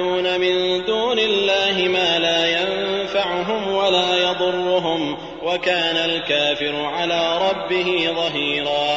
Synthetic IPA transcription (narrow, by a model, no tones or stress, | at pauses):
uːnamɪnd̪uːnɪlːaːɦɪmaːlaːjanfaʕʊɦʊmwalaːjɑd̪ˤʊrˤːʊɦʊm | wakaːnalkaːfɪɾʊʕalaːɾˤɑbːɪɦɪðˤɑɦiːɾaː